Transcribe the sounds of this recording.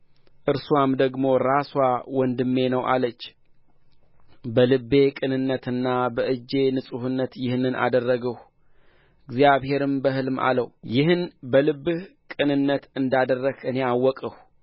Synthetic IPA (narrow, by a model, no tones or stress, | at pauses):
ʔɨɾsuwamd̪əɡmo̞ɾaswawɔnd̪ɨmːe̞nəwʔa̰lət͡ʃː | bəlɨbe̞kʼɨnɨnːət̪ɨnːabəʔɨd͡ʒːe̞nɨsʼuhɨnːət̪jɪhnːɨnʔa̰d̪ərːəɡəh | ɨɡzjaβhe̞ɾɨmbəɦɨlɨmʔa̰ləwjɪhɨnbəlɨbːɨhkʼɨnɨnːət̪ɨnd̪ad̪ərːəkɨne̞awːɔkʼəh